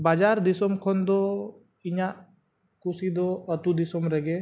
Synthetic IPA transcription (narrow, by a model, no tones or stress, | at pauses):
baːd͡ʒaːɾd̪isɔmkʰɔnd̪o | iɲaʔ | kusid̪oət̪ud̪ɪsomɾɛɡe